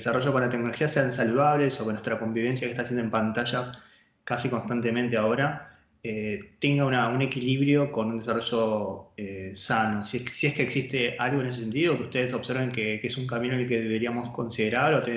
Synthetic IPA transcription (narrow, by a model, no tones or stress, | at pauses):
esaro̞ʒo̞ko̞nlat̪ek̚no̞loxiase̞ans̬aluð̞aβle̞sokenwest̪ɾako̞mbiβ̞e̞ns̬jasest̪asjend̪oempant̪aʃas | kasiko̞nst̪ant̪e̞mẽnt̪eao̞ɾa | et̪e̞ŋɡaunaune̞kiliβɾjo̞ko̞nund̪esaro̞ʒoesano̞ssiehkeːksist̪e̞ʔalɣoeneses̬e̞nt̪iðokeu̥ht̪e̞ð̞eso̞βseɾβeŋkekesuŋkamĩnonelkeðe̞βe̞ɾiamo̞sko̞nsiðeɾaɾot̪e